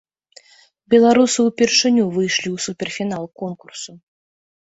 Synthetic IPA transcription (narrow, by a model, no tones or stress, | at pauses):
bʲɛlˠaɾusɨwpʲɛrʂɨnʲuvɨjʂlʲiwsupʲɛrfʲinalˠkɔnkursu